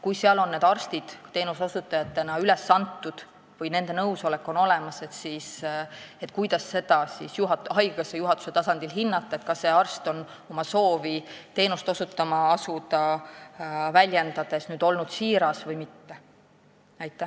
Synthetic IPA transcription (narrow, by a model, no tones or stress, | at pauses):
kujseɑlo̞nːe̞ːd̪̥ɑrst̪id̪̥t̪e̞ːnusosut̪ːˑɑjɑt̪ːˑe̞nɑyle̞sːɑnt̪ːˑud̪̥ | vɤjne̞nd̪̥e̞nɤwso̞le̞kːˑo̞no̞lemɑse̞t̪siːset̪ːˑkujd̪̥ɑsːe̞d̪̥ɑsḭːsjuɦɑhɑjɡ̥ɑsejuɦɑt̪ːˑu̥se̞t̪ɑsɑnd̪̥ilɦinːɑt̪ːˑɑet̪̚kɑsːe̞ɑrst̪o̞n | o̞mɑso̞ːvit̪e̞ːnust̪o̞sut̪ːˑɑmɑɑsud̪ɑ | vælʲjend̪̥ɑd̪̥e̞snyːd̪o̞lnud̪̥siːɾɑsvɤjmit̪ːe | ɑjt̪ːˑæ